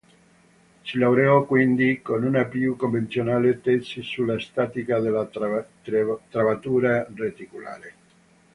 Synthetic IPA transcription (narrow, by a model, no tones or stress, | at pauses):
silawɾeɔkwind̪ikonunapjukːoɱvent̪sjonaːlet̪esisulːast̪aːt̪ikad̪ela | t̪ɾavat̪uːɾaret̪ikula̰ːɾe